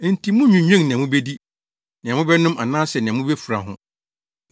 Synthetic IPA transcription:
n̩˨tʰi˨˦mʊ̃˦ɲᶣũ˨ɲᶣɛ̃˦ŋnɪ̃˨a˨mʊ̃˦be˦di˦ | nɪ̃˨ã˨mʊ̃˦bɛ˦nʊ̃˦mʔa˨nãː˦sɛ˨nɪ̃˨a˨mʊ̃˦bɛ˦fu˨ɾa̰˨ɦʊ̰̃˨

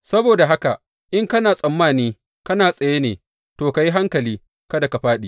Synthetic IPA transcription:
sɐ˦boː˨da˨ɦa˦ka˨ | ʔɪ˦ŋkɐ˦naː˨sʼɐ˨mːaː˦˨niː˦ | kɐ˦naː˨sʼɐ˨jeː˦nḛː˨ | toː˨ka˨ji˦ɦa˦ŋkɐ˨liː˦ | kɐ˦da˨ka˨ɸaː˦ɗiː˦˨

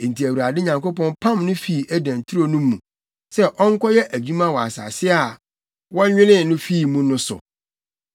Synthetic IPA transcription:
e˨n̩˨ti˨æ˨wu˨ɾa˨dɪ˦ɲã˨ŋko˦pɔ̃˦npʰã˦mnʊ̃˦fi˦˨ʔæ˦dæ̃˨ntʰi˦ɾo˦˨nũ˦mːũ˨ | sɛ˦ʔɔ˦ŋ̩˦kʷɔ˦jɛ˦ʔæ˨d͡ʑᶣũ˦mã˦˨wɔ˨a˨sa̰ː˨sɪ˦a˨ | wɔ˦ɲᶣɪ̃˦nɪ̃˦˨nʊ̃˦fiː˦˨mũ˦nʊ̃˦sʊ̰˨

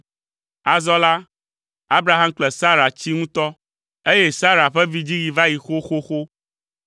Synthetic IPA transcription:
a˨zɔ˦la˦ | a˦bɾa˨ɦa˦mk͡plɛ˨sa˦ɾa˨t͡ɕi˦ŋũ˦t̪ɔ˦ | e˦je˦sa˦ɾa˨ɸɛ˦vi˦d͡ʑi˦ɣi˨va˦ji˨xo˦xo˦xo˦

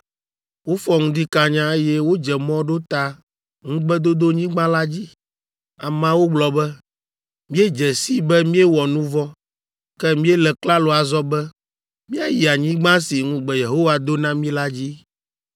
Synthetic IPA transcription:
wo˦fɔ˦ŋũ˦d̪i˦ka˨ɲã˦e˦jɛ˦wo˦d͡ʒɛ˨mɔ̃˦ɖo˦t̪a˦ | ŋũ˦ɡ͡bɛ˦d̪o˦d̪o˦ɲĩ˦ɡ͡bã˦la˦d͡ʑi˦ | a˨mã˦wo˦ɡ͡blɔ˨bɛ˦ | mĩ˦e˦d͡ʒɛ˨si˦bɛ˦mĩ˦ɛ˦wɔ˨nũ˦vɔ˦ | kɛ˦mĩ˦ɛ˦lɛ˨kla˦lo˨a˨zɔ˦bɛ˦ | mĩ˦a˨ji˨a˨ɲĩ˦ɡ͡bã˦si˨ŋũ˦ɡ͡bɛ˨je˨ɦo˦wa˦d̪o˦nã˦mĩ˦la˦d͡ʑi˦

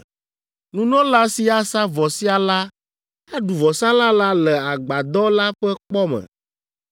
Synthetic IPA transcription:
nũ˦nɔ̃˦la˦si˦a˦sa˦vɔ˨si˦a˨la˦ | a˦ɖu˨vɔ˨sã˦lã˦la˦lɛ˨a˨ɡ͡ba˨d̪ɔ˦la˦ɸɛ˦k͡pɔ˦mɛ̰̃˨

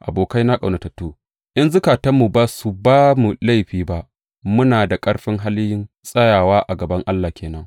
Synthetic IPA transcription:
ʔa˨boː˨ka˦jna˦kʼa˨wnɐ˨tɐ˨tːoː˦ | ʔɪ˦nzʊ˦kaː˨tɐ˦mːu˨baː˦su˨baː˦mu˨la˦jɸiː˨ba˦ʔ | mʊ˦naː˨da˨kʼɐ˦ɽɸɪ˦ŋɦa˦ljɪ˦n | sʼɐ˦jaː˨waː˦ʔa˨ɡɐ˨bɐ˦ŋʔa˦lːaː˨kʲʰeː˨nɐ˦ŋ

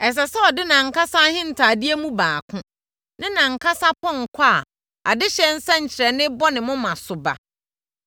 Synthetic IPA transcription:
ɛ˨s̬ɛ˨sɛ˦ɔ˨dɪ˦nã˨ŋ̩˨ka˦sa˦hɪ̃˦n̩˨tʰaː˨di˦e˦mũ˦baː˨kʰʊ̃˦ | nɪ̃˦nã˨ŋ̩˨kʰa˦sa˦pʰɔ̃˦ŋ̩˨kʷʰa˦˨ | a̰˨dɪ˦ɕɛ˦n̩˦sã˦ɲ̩˨t͡ɕʰɪ˨ɾɛ˨nɪ̃˦bɔ˦nɪ̃˨mʊ̃˦mã˨sʊ˨ba̰˨

